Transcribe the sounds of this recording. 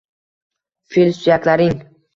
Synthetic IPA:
filsyjaklaɾɪŋ

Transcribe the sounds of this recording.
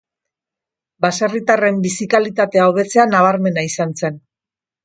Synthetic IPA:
basarit̪are̞mbisikalit̪at̪e̞aoβ̞e̞t͡se̞anaβ̞aɾme̞naisanse̞n

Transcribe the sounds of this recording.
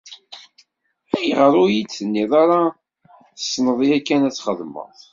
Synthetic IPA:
æjʁəɾˤʊjit͡sːənːiðˤaɾḁ | sːnəðˤiækːænæt͡sːχəðmə̰ðˤ

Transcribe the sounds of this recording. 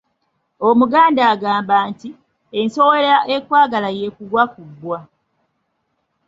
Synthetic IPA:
o̞muɡaːndaːɡaːmbaːnti | e̞nso̞wolaʔe̞kwaːɡalaje̞ːkuɡwakubːwa

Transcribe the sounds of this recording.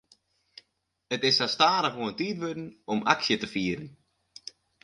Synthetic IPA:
ətɪsastaːɾəxʋoəntiːtʋødn̩ɔmʔa̰ksjətəfiːəɾən

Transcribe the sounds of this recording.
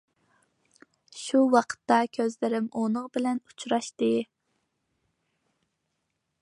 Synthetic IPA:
ʃuwɑqʰə̥t̪ːɑkʲʰøzlɪɾɪmonəŋbɪlɛnut͡ʃʰɾɑʃt̪ɨ

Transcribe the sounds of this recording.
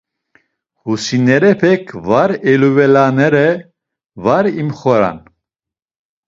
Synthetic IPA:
husinɛɾɛpʰɛkʰvaɾɛluvɛlanɛɾɛ | vaɾimχɔɾa̰n

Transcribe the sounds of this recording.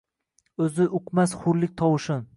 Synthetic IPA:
ɵzɪʔʊqmasχʊɾlɪk̚ʲt̪ʰɒwɪʃɪn

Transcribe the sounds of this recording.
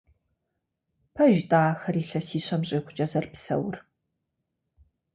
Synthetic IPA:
pʰɐʒtʼaːxɐɾiːɬɐsiːɕɐmɕʼɪːχʷʊt͡ʃʼɐzɐrpsɐ̰wr

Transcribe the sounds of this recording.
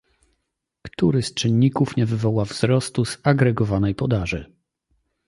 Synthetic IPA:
kt̪uɾɘst͡ʂɘnɲikufɲɛvɘvɔwavz̥ɾɔst̪uz̥aɡɾɛɡɔvanɛjpɔd̪aʐɘ

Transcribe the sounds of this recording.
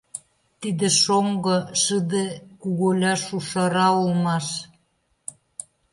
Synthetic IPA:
t̪id̪ĕʃoŋɡŏʃəd̪ekuɣolʲɑʃuʃɑɾɑulmɑʃ

